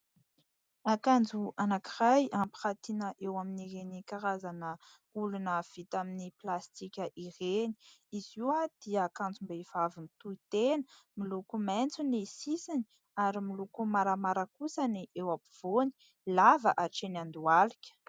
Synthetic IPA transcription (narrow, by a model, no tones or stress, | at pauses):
akand͡zuanakirajampi̥χat̪inəʔewaminiɾenikaɾazanə | ulunəv̥it̪aminiplast̪ikʲəʔireni̥iziwad̪̥iəkand͡zumbeiv̥avimit̪uit̪enə̥ | milukument͡sunisisini̥ | aɾimilukumaɾamaɾəkusaniʔewapi̥v̥oni̥ | lavəʔaʈ͡ʂenand̪ualikʲə̥